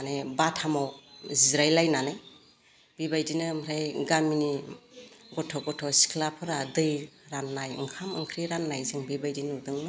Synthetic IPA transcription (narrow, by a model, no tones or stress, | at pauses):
anebatʰamawzizɾajlajnanej | bibajdinɯmɾajɡamini | ɡɔtʰɔɡɔtʰɔsi̥kʰlapʰɯɾadɯjɾanːajɯ̰ŋkʰamɯŋkʰɾiɾanːajzɯŋbibajdinudɯŋnɯ